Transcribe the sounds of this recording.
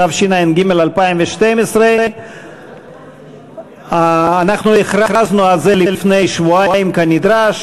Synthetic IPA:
avʃinainɡimelalpaimveʃtemesʁe | aːnaχnueχɾaɾaznualzelilfnejʃvuaajimkanid̪ɾaʃ

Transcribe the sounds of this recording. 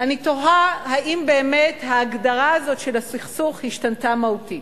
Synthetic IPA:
anito̞ɦahaʔimbe̞ːme̞thaːɡdaʁaːzo̞tʃelasiχsuχhiʃtantamahuti

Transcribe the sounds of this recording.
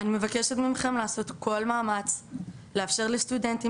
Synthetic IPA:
anime̞vakeʃet̪mimχe̞mlaːso̞t̪ko̞lmaːmat͡s | leafʃe̞ʁlest̪ude̞nt̪i

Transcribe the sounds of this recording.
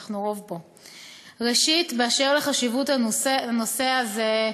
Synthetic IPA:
χnuʁovbo̞ | ʁeʃitbeaʃeʁleχaʃivutaano̞se̞haze

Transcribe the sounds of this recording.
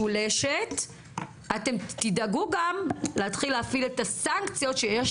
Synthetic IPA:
uleʃet | ate̞mt̪idaɡuɡamleatχilːeafiletasaŋkt͡sijo̞t̪ʃejeʃ

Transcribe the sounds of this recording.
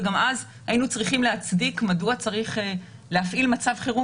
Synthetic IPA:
ɡamaz | hainut͡sʁiχimlehat͡sdikmaduat͡saʁiχe | leafʔilmat͡savχiʁu

